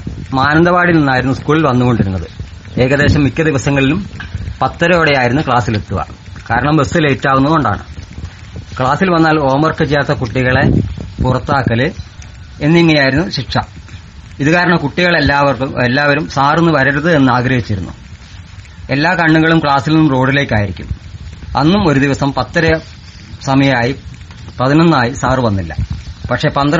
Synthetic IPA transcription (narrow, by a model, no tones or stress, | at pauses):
maːnɐnd̪ɐbaːɽilninːaːjiɾunːuskuːɭilʋɐnːuɣo̞ɳɖiɾunːɐðɨ̰ | e̞ːɣɐðe̞ːɕɐmːikʲːɐd̪iʋɐsɐŋːɐɭilumpɐt̪ːɐɾɐjoɽɐjaːjiɾunːukɭaːsilet̪ːuʋɐ̰ | kaːɾɐɳɐmbesileːtːaːʋunːɐðɣo̞ɳɖa̰ːɳɨ̰ | kɭaːsilʋɐnːaːlo̞ːmɐrkːɐt͡ɕejːaːt̪ːɐkuʈːiɣɐɭe̞purɐt̪ːaːkːɐlɨ | enːiŋːɐnejaːjiɾunːuɕipʂɐ | iðukaːɾɐɳɐmkuʈːiɣɐɭelːaːʋɐrkelːaːʋɐɾumsaːrenːɨʋɐɾɐɾɐðɨe̞nːɨaːɡɾɐhit͡ɕːiɾunːṵ | e̞lːaːkɐɳːuŋːɐɭumkɭaːsilnːumro̞ːɽile̞ːkʲːaːjiɾikʲːṵmɐ̰nːumo̞ɾud̪iʋɐsɐmpɐt̪ːɐɾɐ | sɐmɐjɐaːji | pɐðinɐnːaːjisaːrɨʋɐnːilːɐ̰pɐkʂe̞ːpɐnd̪ɐɾ